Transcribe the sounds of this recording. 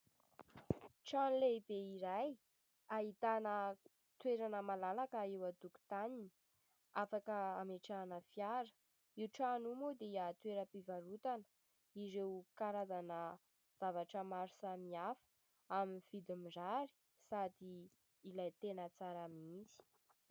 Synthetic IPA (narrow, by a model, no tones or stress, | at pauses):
ʈ͡ʂanleibeiɾaj | aɦit̪anə | t̪weɾanəmalalakaewad̪uku̥t̪anini̥ | afakəameʈ͡ʂanəfjaɾə̥ | iwʈ͡ʂanumod̪eiat̪weɾəpivaɾut̪anə̥ | iɾewkaɾazanə | z̥avaʈ͡ʂəmaɾusamiafə̥ | aminv̥id̪imiɖ͡ʐaɾi̥ | sad̪iː | lajt̪enət͡saɾamit͡si̥